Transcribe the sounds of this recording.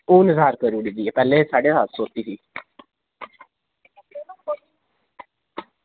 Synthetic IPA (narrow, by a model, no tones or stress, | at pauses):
oːnɪzaːɾkəɾuɽid̪iːeːpɛːleːsaːɖeːat̪soːt̪iːsiː